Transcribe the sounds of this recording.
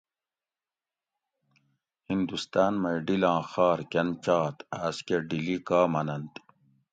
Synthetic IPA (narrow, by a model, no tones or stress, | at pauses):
hind̪ust̪aːnmɐjɖilɑ̃ːxaːɾkɐnt͡ɕaːt̪aːskeɖilikaːmɐnɐnt̪